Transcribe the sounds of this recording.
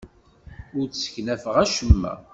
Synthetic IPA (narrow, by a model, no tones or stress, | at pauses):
ʊɾt͡ssə̥çnæfəʁæʃəmːæ̰